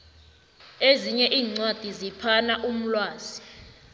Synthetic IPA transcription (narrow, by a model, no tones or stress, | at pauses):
eziɲɛʔiːŋ͡ǀwad̥ʱizipʰanaʔum̩lwaːz̥i